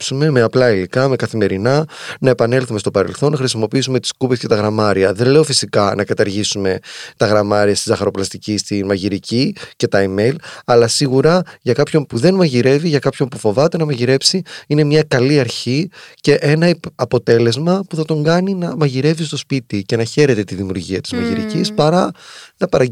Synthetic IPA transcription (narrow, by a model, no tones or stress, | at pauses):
sume̞me̞ɐplɐilikɐme̞kɐθime̞ɾinɐnɐe̞pɐne̞lθume̞st̪opɐɾḛlθo̞nːɐxɾisimo̞piisume̞t̪i̥skupe̞sce̞t̪ɐɣɾɐmɐɾiɐðe̞nle̞o̞fisikɐnʔɐkɐt̪ɐɾʝisume̞t̪ɐɣɾɐmɐɾiɐst̪izɐxɐɾo̞plɐst̪icist̪inmɐʝiɾicice̞t̪ɐime̞jlɐlɐsiɣuɾɐʝɐkɐpço̞npuðe̞nmɐʝiɾe̞viʝɐkɐpço̞npufo̞vɐt̪e̞nɐmɐʝiɾe̞psiine̞mɲɐkɐliɐɾçice̞ʔe̞nɐɐpo̞t̪e̞le̞zmɐpuθɐt̪o̞ŋɡɐninɐmɐʝiɾe̞vist̪o̞spit̪ice̞nɐçe̞ɾe̞t̪e̞t̪iðimjṵɾʝiɐt̪i̥zmɐʝḭɾḭcispɐɾɐnɐpɐɾɐ